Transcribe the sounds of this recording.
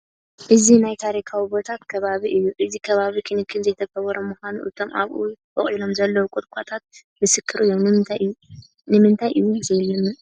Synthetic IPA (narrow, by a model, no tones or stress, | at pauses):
ʔɨzinajt̪ʰaɾikʰawibo̞t̪ʰat̪kʰɐβaβiʔɨjːuʔɨzikʰɐβaβikʰɨnɨkʰːɨnzɐjt̪ʰɐkʰɐβɐɾɐmuxʷanṵʔɨt̪ʰo̞mʔa̰βʔubɐχʼilo̞mzɐlːɐwkʼʊt̪kʰʷʼat̪ʰat̪̚ | mɨsɨkʰːɨɾʔɨjːomnɨmɨnt̪ʰajʔɨjːu | nɨmɨnt̪ʰajʔɨjuzejlːɨm